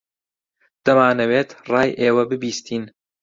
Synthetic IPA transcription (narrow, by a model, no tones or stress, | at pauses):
d̪̥ɐmaːnɐweːt̪rɑːjʔeːwɐbɨbiːst̪ʰiːn